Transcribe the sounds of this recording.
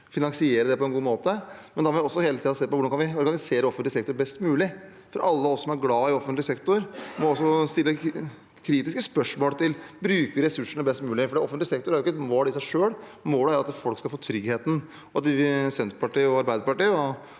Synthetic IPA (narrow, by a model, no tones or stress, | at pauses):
fɪnɑŋsɪeːɾəd̪ɛpɔɛnɡuːmoːt̪əmɛnd̪ɑmɔːʋɪɔsːɔheːlət̪iːd̪ɑseːpɔʋʊɾɖɑnkɑnʋɪɔɾɡɑnɪseːɾəɔfənlɪsɛk̚t̪ʊɾbɛst̪mʉːlɪ | fɔɾʔɑlːəɔsːɔmæɾɡlɑːɪɔfənt̪lɪsɛkt̪ʊɾmɔɔsːɔst̪ɪlːə | kʰɾiːt̪ɪskəspœʂmoːlt̪ʰɪlbɾʉːkəʋɪɾɛsʉʂəɳəbɛst̪mʉːlɪfɔɖɛɔfənt̪lɪsɛk̚t̪ʊɾhæɾjʊkəɛt̪moːlɪsæɪʂøːɽ | moːləæːɾɑt̪fɔlkskɑlfoːt̪ʰɾʏɡheːt̪n̩ | ɑt̪ɪʋɪsɛnt̪pɑʈiːɔɑɾbæɪd̪əpɑʈiːɔ